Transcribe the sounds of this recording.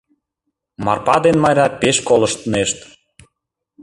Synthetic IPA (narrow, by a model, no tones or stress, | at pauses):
mɑ̰rpɑd̪enmɑjɾʲɑpeʃkolə̆ʃt̪əneʃt̪